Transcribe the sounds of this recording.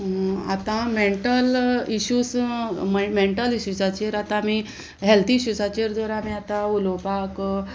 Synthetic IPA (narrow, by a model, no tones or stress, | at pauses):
a̰t̪ãmeɳʈəliɕuːsmmeɳʈəliɕusat͡ɕeɾat̪ãmi | ɦɛlt̪ʰiːɕusat͡ɕeɾd̪əɾamiat̪ãulopak